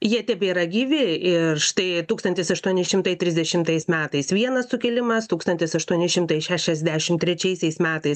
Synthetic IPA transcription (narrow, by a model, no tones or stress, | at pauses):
jiɛtʲɛpʲiːɾɐɡʲiːʋʲɪɪrʃt̪ɐɪt̪uːkst̪ɐnʲt̪ʲɪsɐʃt̪uɔnʲɪʃʲɪmt̪ɐɪt̪ʲɾʲɪzʲd̪ʲɛʃʲɪmt̪ɐɪsmʲæːt̪ɐɪsʋʲiɛnɐssʊkʲɛlʲɪmɐst̪uːkst̪ɐnʲt̪ʲɪsɐʃt̪uɔnʲɪʃʲɪmt̪ɐɪʃʲæːʃʲɛzʲd̪ʲæʃʲɪmt̪ʲɾʲɛt͡ʃʲɛɪsʲɛɪsmʲæːt̪ɐɪs